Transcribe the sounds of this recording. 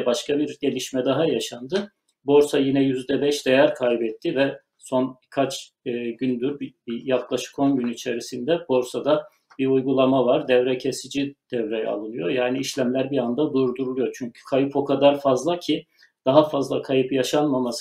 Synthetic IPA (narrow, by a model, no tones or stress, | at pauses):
baʃkʰabiɾɟe̞lʲiʃmɛd̪aɦajaʃand̪ɯ | bo̞ɾsajinɛjyzd̪ɛbɛʃd̪ejæɾkʰajbɛt̪ʰːivɛ | so̞nkʰat͡ʃ | ɯːɟynd̪yɾbjaklˠaʃɯ̥ko̞nɟynit͡ʃʰe̞ɾisind̪ɛbo̞ɾsad̪a | b̥iujɡulˠamavaɾd̪ɛvɾɛcʰe̞sid͡ʒid̪̥ɛvɾej̰a̰lˠɯnɯjo̞jaːniːʃlʲæmlʲæɾbiand̪ad̪uɾd̪uɾulˠujo̞t͡ʃʰyɲcʰy̥kʰajɯpʰo̞kʰad̪aɾfazlˠacʰi | d̪̥aɦafazlˠakʰajɯpjaʃanmamas